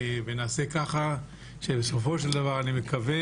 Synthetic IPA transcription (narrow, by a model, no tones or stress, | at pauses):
venaːsekaχa | ʃebeso̞fo̞ʃeld̪avaʁanime̞kave